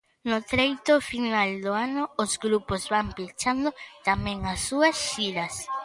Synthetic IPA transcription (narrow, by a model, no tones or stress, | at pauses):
nʊt̪ɾejt̪ʊfinald̪oanʊːzɡɾupozβampit͡ʃand̪ot̪amɛ̃ŋasːuɐsʃiɾɐs